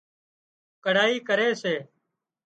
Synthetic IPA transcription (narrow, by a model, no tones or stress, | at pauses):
kəɽ̤aːiːkəɾeːseː